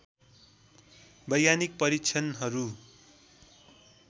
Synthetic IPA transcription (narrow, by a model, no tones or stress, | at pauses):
bʌjːanik̚pʌɾikt͡sʰʌnɦʌɾu